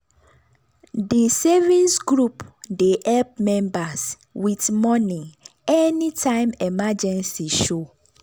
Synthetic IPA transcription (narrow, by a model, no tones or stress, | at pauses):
disɛvĩnsɡɹupdehɛlp̚mɛ̃mbas | witmɔniɛnitʰãɪ̃mɛmad͡ʒɛ̃nsiʃo